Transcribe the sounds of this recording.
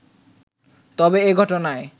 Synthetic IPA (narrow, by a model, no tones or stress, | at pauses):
t̪ɔbeeɡʱɔʈonae